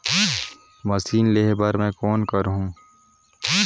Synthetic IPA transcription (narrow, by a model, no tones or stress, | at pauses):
mɐsiːnleːɦbəɾmɛ̃ːkɔːnkɐɾɦũ